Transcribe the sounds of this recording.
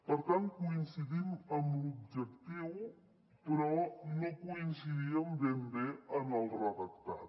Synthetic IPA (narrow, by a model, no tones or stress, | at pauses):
pəɾt̪an̚kuinsiðiməmlub̚ʒəkt̪iw | pɾɔnokuinsiðiəmbembeəməlˠrəðəkt̪at̪